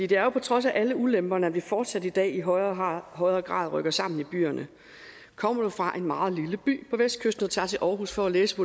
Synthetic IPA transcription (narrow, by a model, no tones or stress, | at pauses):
fd̥ḭːd̥e̝æɐjo̝pʰɒ̽t͡sʰʁɒ̽s̬æʔæləulemb̥ɐnəæʋifɒːd̥sæd̥id̥ɛ̰ːiɦɒɪɦɒ̽ɪʁɐːɡ̥ʁɑ̰̈ːð̞ˠʁœɡ̥ɐsɑ̈m̰n̩ib̥y̰ːɐnʔə | kʰɒ̽m̰ɐd̥ufʁɑ̈ʔe̝nmɑ̈ːð̞̩ˠliləb̥y̰ːpʰɒ̽ʋesd̥̚kʰøsd̥n̩ð̩ˠt͡sʰɑ̈ːt͡sʰe̝lʔɒːɦusfɒ̽æleːsəpʰo